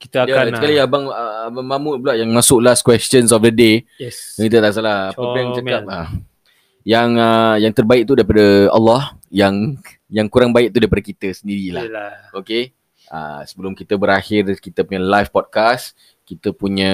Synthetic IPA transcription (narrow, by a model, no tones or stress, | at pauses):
kit̪jaakaliabaŋbaŋmamʊt̪̚bəlaʔjaŋmasʊk̚laskwɛst͡ʃənsɔfdəde | kit̪at̪aʔsalahaəajaŋt͡ʃaap̚a | jaŋəjaŋt̪ərbaɪʔk̚t̪udaɾipadəa̰lːɔhjaŋ | jaŋkuɾaŋbaɪʔ̚t̪udaɾipadakit̪əsəndiɾila̰hoke | a̰səbəlʊmkit̪əbəɾaxɪrkit̪əpuɲəlajfpɔd̚kas | kit̪əpuɲə̃